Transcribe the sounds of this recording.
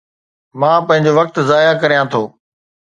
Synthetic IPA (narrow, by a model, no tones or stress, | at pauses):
mãːpɐ̃ɦɪ̃ɲd͡ʑoːʋɐk̚t̪zaːjakɐɾijãːt̪ʰoː